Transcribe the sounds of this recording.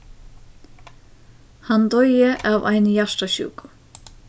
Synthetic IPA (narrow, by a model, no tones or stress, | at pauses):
hant̪ɔjɪʔavajnjaʂt̪aɕṵːkʊ̥